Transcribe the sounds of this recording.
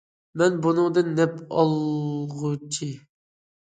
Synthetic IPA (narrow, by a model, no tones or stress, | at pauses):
mɛnbunɨŋd̪ɨnːɛpɑlˠʁut͡ʃʰi